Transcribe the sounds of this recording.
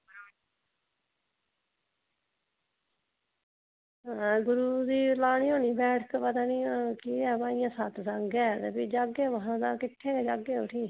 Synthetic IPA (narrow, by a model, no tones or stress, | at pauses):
ɡʊɾuːd̪iːlaːɽ̃iːɦoːniːbɛːʈʰkpət̪aːniːkiːɛːbãːɪjãːsaːt̪ʰsaŋɡɛːt̪eːbiːd͡ʒaːɡeːʋəɦãːd̪ãːkɪʈʰːeːɛːd͡ʒaːɡeːoːʈʰiː